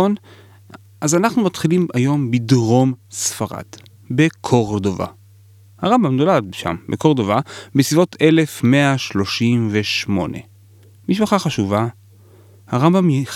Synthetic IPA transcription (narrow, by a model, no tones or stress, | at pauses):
on | ʔazanaχnumatχilimajo̞mbidʁo̞msfaʁa̰d̥ | bekʰo̞ʁdova̰ | haʁambamno̞lad̚ʃa̰mbeko̞ʁdovabesivo̞tʰe̞le̞fmeaʃlo̞ʃimve̞ʃmo̞̰nḛ | miʃpaχaχaʃuva | haʁambamj